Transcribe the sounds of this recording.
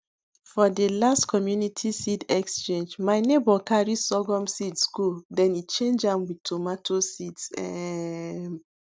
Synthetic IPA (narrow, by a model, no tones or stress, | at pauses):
fɔdəlastkʰɔmjunitʰisidɛkst͡ʃẽnd͡ʒmaɪnebɔkaɹisɔɡɔ̃msitsɡodɛ̃nit͡ʃẽnd͡ʒãmwid̚tʰomatʰosidsɛ